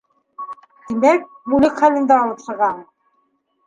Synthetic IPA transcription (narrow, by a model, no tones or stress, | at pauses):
d̪̥imæk̚ | mulɘkχælɘ̆nd̪æɒlˠɤ̆pχɤ̆ʁɑɴ